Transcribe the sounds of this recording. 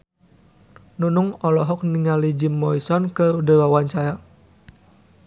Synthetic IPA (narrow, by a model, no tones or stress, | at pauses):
nunʊŋɔlɔɦɔk̚niŋalid͡ʒimːɔisɔnkəudəwawant͡ʃaja